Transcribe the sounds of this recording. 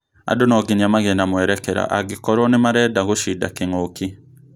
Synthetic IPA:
a̰donɔɡiɲamaɣenamwɛɾɛkɛɾa̰ʔaɡikɔɾɔnemaɾɛːdaɣoʃida̰keŋoki

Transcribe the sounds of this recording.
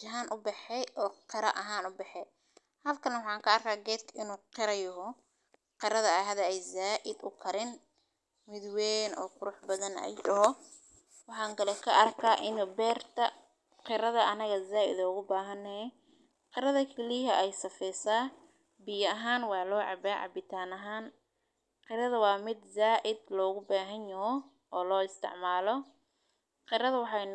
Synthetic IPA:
d͡ʒɐɦaːnʔʊbɛħɛjʔɔːqɪɾɐʔɐɦaːnʊbɛħɛ | hɐlkʰɐnɐwɑħɑːŋkʰɐːrkʰaːɡɛːd̪kʰɐʔɪnuːqɪɾɐjɔɦɔ | qɪɾɐðɐɐɦɐðɐɛjzaːʔɪd̪ʊ̰kʰɐɾɪn | mɪðwɛːnɔ̰ːqʊɾʊħbɐðɐnɛ̰jɖɐɦɔ | wɑħɑːŋkɐlɛkʰɐʔɐrkʰaːʔɪnʊbɛːrt̪ʰɐ | qɪɾɐðɐʔɐnɐɣɐzaːɪ̰ðɐʊɣʊbaːɦɐnɛɛ | qɪɾɐðɐkʰɛliɦɐʔɛjsɐfɛjsaː | bɪjɐɐɦaːnwɑːlɔːʕɑ̰baːʕɑ̰bɪt̪ʰaːnɐɦaːn | qɪɾɐðɐwɑːmɪd̪zaːʔɪd̪lɔːɣʊbaːɦɐnjɐɦɔ | ʔɔːlɔːɪst̪ʰɪ̰ʕmaːlɔ | qɪɾɐðɐwɑħɑ

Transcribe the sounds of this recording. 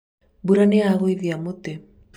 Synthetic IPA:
buɾaneaɣoiðiamot̪e

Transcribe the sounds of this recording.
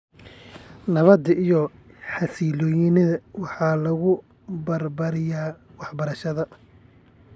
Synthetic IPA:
nɐβɐd̪ijɔ | ħɑsiːlɔːjɪnɪðɐwɑħɑːlɐɣʊ | bɐrbɐɾɪjaːwɑħbɐɾɐʃɐðɐ

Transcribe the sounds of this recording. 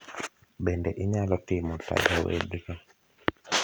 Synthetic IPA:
bɛndɛʔiɲalɔtimɔta̰d͡ʒɔwɛ̰dɾɔ

